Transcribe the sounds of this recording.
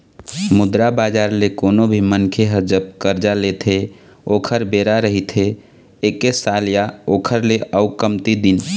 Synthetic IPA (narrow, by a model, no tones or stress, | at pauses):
mʊd̪ɾabad͡ʒaɾlekonobʱimənkʰeɦəd͡ʒəb̚kəɾd͡ʒalet̪ʰe | oːkʰəɾbeɾaɾəɦit̪ʰe | ekesaljaokʰəɾleʔəukəmt̪id̪in